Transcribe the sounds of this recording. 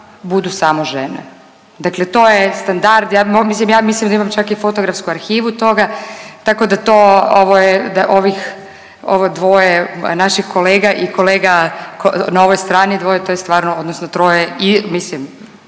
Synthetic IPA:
bud̪usamoʒenḛ | d̪aklet̪ojest̪and̪aɾd̪jaːmmislimjaːmislimd̪aimamt͡ʃakifot̪oɡɾafskuaɾxiːʋut̪o̞ɡat̪akod̪at̪oːoʋojed̪aʔoʋix | o̰ʋod̪ʋojenaʃixko̞leːɡaʔiko̞leːɡakonaoʋojst̪ɾaːnid̪ʋo̞jet̪ojest̪ʋaːɾnood̪nosnot̪ɾojeimislim

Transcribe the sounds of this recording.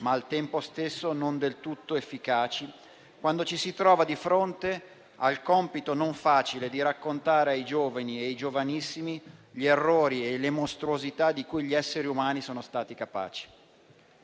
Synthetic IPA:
maːlt̪ɛmpost̪esːonond̪elt̪ut̪ːoefːikaːt͡ʃi | kwand̪ot͡ʃisit̪ɾɔːvad̪ifɾont̪e | alkɔmpit̪onoɱfaːt͡ʃiled̪iɾakːont̪aːɾeajd͡ʒoːvanieajd͡ʒovanisːimiʎierːoːɾielemost̪ɾuozit̪ad̪ikujʎiɛsːeɾiumaːnisɔːnost̪aːt̪ikapa̰ːt͡ʃi̥

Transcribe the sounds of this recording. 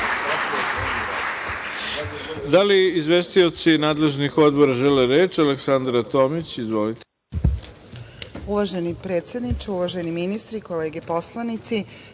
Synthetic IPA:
d̪aliizʋest̪io̞t̪sinaːd̪le̞ʒnixo̞d̪bo̞ɾaʒeleɾe̞ːt͡ʃaleksand̪ɾat̪o̞ːmit͡ɕizʋo̞lit̪e̥ | uʋaʒenipɾet̪sʲjed̪nit͡ʃauʋaʒeniminist̪ɾikoleːɡepo̞slˠanit̪si

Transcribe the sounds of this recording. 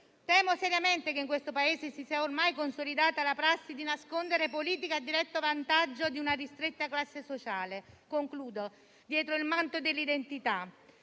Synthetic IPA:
t̪ɛːmosɛɾjament̪ekeiŋkwest̪opaeːzesisiːaormajkonsolid̪aːt̪alapɾasːid̪inaskond̪eɾepoliːt̪̬ikad̪ːiɾɛt̪ːovant̪ad͡ʒːod̪iunarist̪ɾet̪ːaklasːesot͡ʃaːlekoŋkluːd̪o | d̪jɛːt̪ɾoilmant̪od̪elːid̪ent̪it̪a

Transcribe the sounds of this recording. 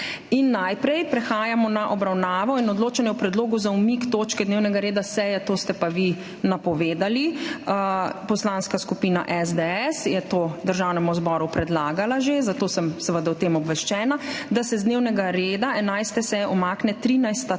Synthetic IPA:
inːajpɾɛjpɾɛxaːjamɔnaʔɔbɾawnaːʋɔinɔd̪loːt͡ʃɛnjɛpɾɛd̪loːɡuzaumikt̪oːt͡ʃkɛd̪neːwnɛɡaɾeːd̪asɛjɛt̪oːst̪ɛpaʋi | napɔʋeːd̪ali | pɔslaːnskaskupiːna̰ʔɛzd̪ɛɛsjɛt̪od̪əɾʒawnɛmuzbɔːɾupɾɛd̪laːɡalaʒezat̪oːsəmsɛʋəd̪awt̪emɔbʋɛʃt͡ʃɛːnad̪asɛzd̪neːwnɛɡaɾeːd̪aɛnajst̪ɛsɛjɛʔɔmaːknɛt̪ɾiːnajst̪a

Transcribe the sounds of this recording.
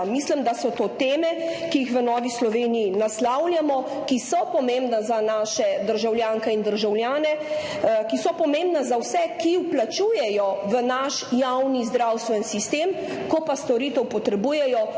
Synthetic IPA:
mislimd̪asɔt̪oːt̪eːmɛkijixʋənɔːʋislɔʋeːnijinaslawlʲjamɔ | kisɔpɔmembnazanaːʃɛd̪əɾʒawlʲjaːŋkɛind̪əɾʒawljaːnɛ | kisɔpɔmẽmbnazawsɛkiwplat͡ʃuːjɛjɔʋənaʃjawnizd̪ɾawst̪ʋɛnsist̪eːm | kɔpast̪ɔɾit̪ɛwpɔt̪ɾɛbuːjɛjɔ

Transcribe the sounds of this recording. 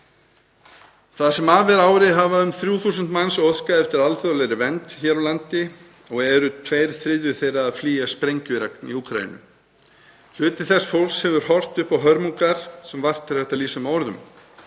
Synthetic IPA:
θaðsɛmaːvɛɾaːwɾɪɦavaʏmθɾjuːθuːs̬ʏnt̪mansɔskaɛft̪ɪɾalθœðlɛjɾɪvɛnt̪çɛɾawlant̪ɪ | ɔɣɛɾʏt̪ʰveːjɾθɾɪðvʏθejɾaːðfliːjaspɾejɲcʏɾɛknḭuːkɾa̰jḭnʏ̰ | l̥ʏːt̪ɪθɛsfowlshɛvʏɾ̥hɔr̥t̪ʏhpawɦœɾmuŋkaɾ̥sɛmvar̥t̪ʰːɪlrɛht̪aliːsʏmɔɾðʏ̰m

